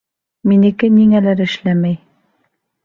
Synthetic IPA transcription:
minɘ̆kɘniŋælæɾɘ̆ʃlæmæj

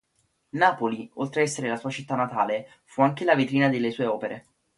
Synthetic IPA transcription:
naːpoliolt̪ɾeɛsːeɾelasuːat͡ʃit̪ːanːat̪aːle | fuaŋk̟elavit̪ɾiːnad̪elːesuːeɔːpeɾʔe

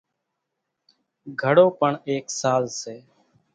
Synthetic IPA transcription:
ɡʱəɽoːpəɳeːksaːlseː

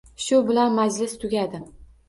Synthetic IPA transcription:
ʃʊbɪlanmad͡ʒlɪst̪ʰʊɡʲad̪ɪ

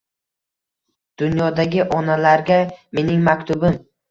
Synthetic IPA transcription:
d̪̥ʊnjɒd̪aɡʲɪʔɒnalaɾɡʲame̞nɪŋmakʲt̪ʊbɪm

